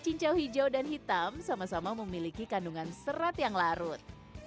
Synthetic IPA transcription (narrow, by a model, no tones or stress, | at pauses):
t͡ʃiɲt͡ʃawhid͡ʒawdanɦit̪amsamasamaməmilikikanduŋansəɾat̪jaŋlaɾʊt̪̚